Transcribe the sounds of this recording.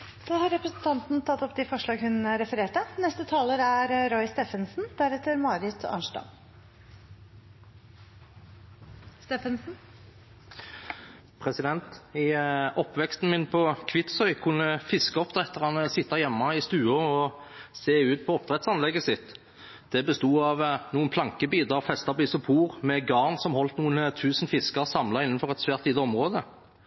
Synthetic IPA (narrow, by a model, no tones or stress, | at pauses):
dɑhɑɾɾɛpɾɛsnt̪ʰɑnt̪n̩t̪ʰɑt̪ːɔpd̪ɛfɔʂɭɑːɡhʉnɾɛfəɾeːʈənɛst̪ət̪ʰɑːləɾæɾɾɔʏst̪ɛːfənsn̩d̪̥æɾɛt̪ːəɾmɑːɾɪt̪ʰɑ̰ːnʂʈɑ̰m | st̪eːfənsn̩ | pʰʁɛsɪd̪ɛnt̪ɪɔpːʋɛkst̪n̩mɪnpʰɔkʰʋɪt̪sœʏkʰʊnːəfɪskəɔpd̪ʁɛt̪ːəʁɑnəsɪt̪ːɑjɛmːɑɪst̪ʉːəɔ | seːʉːt̪̚pʰɔɔp̚d̪ʁɛt̪sɑnlɛɡəsɪt̪ː | d̪̥ɛbəst̪uːɑʋnuːənpʰlɑŋkəbiːd̪əʁfɛst̪ɑʁbisɔpʰuːʁmɛɡɑːʁnsɔmhɔlt̪nuːənt̪ʰʉːsn̩fɪskəʁsɑmlɑɪnənfɔʁɛt̪sʋæːʁt̪ʰiːd̪əɔmʁoːd̪ə